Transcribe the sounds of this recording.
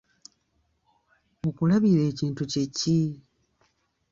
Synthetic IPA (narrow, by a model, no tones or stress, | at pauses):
mukulaβiɾe̞ːciːntuce̞ci